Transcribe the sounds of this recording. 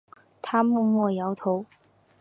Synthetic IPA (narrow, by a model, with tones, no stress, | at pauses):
t̪ʰa˥mɔ˥˧mwɔ˥˩jɑ˧˥ʊt̪ʰo˧˥ʊ